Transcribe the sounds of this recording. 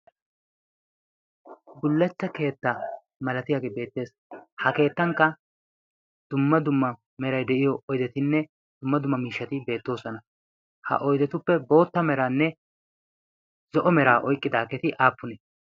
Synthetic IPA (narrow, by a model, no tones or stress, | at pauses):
ɡʊlːɛt͡sːɐke̞ːt̪ːɐ | mɐlɐt̪ɪjaːɡeːbe̞ːt̪ːe̞ːs | hɐke̞ːt̪ːɐŋkːɐ | d̪̥ʊmːɐd̪ʊmːɐ | mɛɾɐjd̪ɛʔɪjɔʔɔjd̪ɛt̪ɪnːɛ | d̪̥ʊmːɐd̪ʊmːɐmiːʃːɐt̪ɪbe̞ːt̪ːo̞ːsɔnɐ | hɐ̰ʔɔjd̪ɛt̪ʊpːɛbo̞ːt̪ːɐmɛɾaːnːɛ | z̥ɔʔɔmɛɾaːʔɔjkʼːɪd̪aːkɛt̪ɪʔaːpːʊnɛ